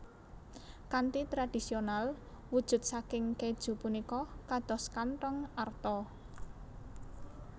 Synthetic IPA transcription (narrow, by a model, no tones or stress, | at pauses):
kant̪it̪ɾad̥isional | wud̥ʒ̥ʊ̤t̪̚sakɪŋked̥ʒ̥ṳpunikɔkad̪̥ɔ̤skantɔŋart̪ɔ